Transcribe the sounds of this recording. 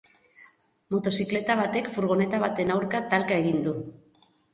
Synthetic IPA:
mo̞t̪o̞sikle̞t̪aβ̞at̪e̞kfuɾɣ̞o̞ne̞t̪aβ̞at̪e̞nawɾkat̪alkae̞ɣind̪u

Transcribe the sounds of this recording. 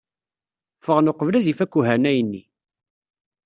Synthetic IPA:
fəʁnoqəvlæðifækːuɦænæjənːi

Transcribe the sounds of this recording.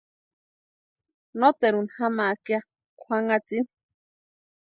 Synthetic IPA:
not̪eɾunhamakja | kʰʷaŋat͡sin

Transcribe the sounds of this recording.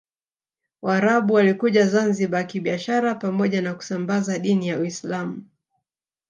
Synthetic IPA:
waːɾaɓuwalikuʄazanziɓaakiɓiaʃaɾapamɔʄanaku̥sambazaɗinijawislamu

